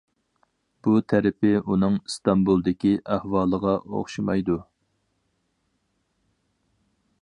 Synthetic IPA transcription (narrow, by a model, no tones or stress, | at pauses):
b̥ut̪ʰæɾɪpɪʔunɨŋst̪ɑmbulˠd̪ɪkʲiʔæhwɑːlˠəʁɑʔo̰χʃimɑjd̪u